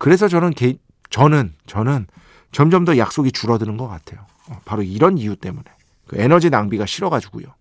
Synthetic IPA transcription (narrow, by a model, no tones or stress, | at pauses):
kɯɾe̞s̬ʰʌt͡ɕʌnɯnkei | t͡ɕʌnɯnt͡ɕʌnɯn | t͡ɕʌmd͡ʑʌmdʌjak̚s͈oɡit͡ɕuɾʌdɯnɯnɡʌk͈atʰe̞jo | paɾoiɾʌnijut͈e̞mune̞ | kɯ̰e̞nʌd͡ʑinaŋbiɡaɕʰiɾʌɡad͡ʑuɡujo